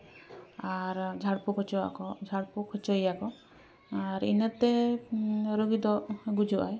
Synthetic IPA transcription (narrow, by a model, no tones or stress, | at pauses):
aɾd͡ʒʱaɽpukʰɔt͡ʃɔa̰kɔd͡ʒʱaɽpukʰɔt͡ʃəjakɔ | aɾḭnət̪ɛ | ɾuɡid̪ɔɡud͡ʒuʔaj